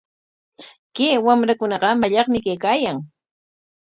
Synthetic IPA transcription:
keːwamɾakʊnɑɢɑmaʎɑχmɪkejkaːjaŋ

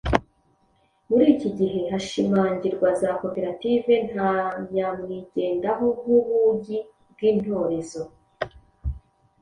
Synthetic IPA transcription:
muɾiːciɟiɦe̞haʃimaːɲɟiɾɡwazako̞pe̞ɾative̞n̥haɲɲamŋiːɟe̞ːndaɦouβuɟi | bɡiːn̥ho̞ːɾe̞zo

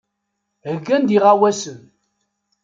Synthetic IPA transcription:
həɡːænd̪iʁawæsən

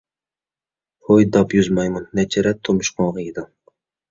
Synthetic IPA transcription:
hojd̪ɑpjuzmɑjmunːɛt͡ʃʰɛɾɛt̪ʰːomuʃqoɴʁɑjid̪um

